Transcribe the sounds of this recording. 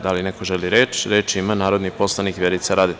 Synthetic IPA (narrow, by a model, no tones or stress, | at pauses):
d̪alinekoʒeliɾeːt͡ʃɾeːt͡ʃimanaːɾod̪nipo̞slˠanikʋjeɾit̪saɾaːd̪e